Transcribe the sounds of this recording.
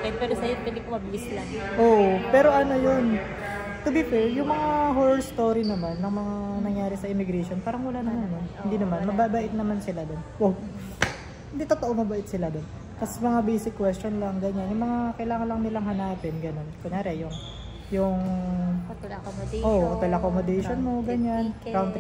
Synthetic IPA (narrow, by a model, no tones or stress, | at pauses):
kɐpɛːɾosɐjopwɛnd̪ikomɐbɪlɪslanʔoːʔopɛːɾo̞ʔɐno̞jon | t̪ʊbifɛɹjʊŋmɐŋaɦoɾɛɹst̪o̞ːɾinɐmanːɐŋmɐŋanɐŋjaːɾɪsɐʔɪmɪɡɾɛʃo̞npaːɾɐŋwɐlanɐmanːonhɪnd̪iːnɐmanmɐbabaːʔɪt̪̚nɐmansɪlad̪onpo | hɪnd̪it̪ot̪oʔo̞mɐbaʔɪt̪sɪlad̪on | kɐsmɐŋabejsɪkːwɛst͡ʃo̞nlɐŋɡɐɲanjʊŋmɐŋakɐjlaːŋɐnlɐŋnɪlaŋhɐnaːpɛnɡɐno̞nkʊɲaːɾɛjʊŋ | jʊŋ | ʔoːʔʔɐt̪ɛlɐkomod̪ɛʃonmo̞ɡɐɲanɾawnd̪